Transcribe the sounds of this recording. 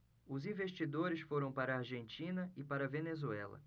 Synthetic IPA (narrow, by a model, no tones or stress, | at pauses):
ʊzĩvest͡ʃid̪oɾɪsfoɾɐ̃w̃paɾɐːɾʒẽnt͡ʃĩnɐɪpaɾɐvenezuɛlɐ̰